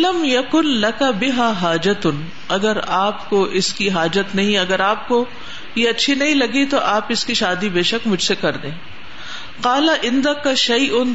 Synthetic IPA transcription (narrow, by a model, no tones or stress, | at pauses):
lɐmjɐkʊnlɐkabɪɦaːɦaːd͡ʒɐt̪n | ɐɡəɾaːpkoʔɪskiɦaːd͡ʒət̪nɐɦĩɐɡəɾaːp̚ko | jeɐtːʃʰinɐɦĩlɐɡit̪oʔaːpɪskiʃaːd̪ibeːʃɐkmʊd͡ʒʱsekɐɾd̪ẽː | qaːlaʔɪ̃nd̪ɐkaʃɐjʔʊn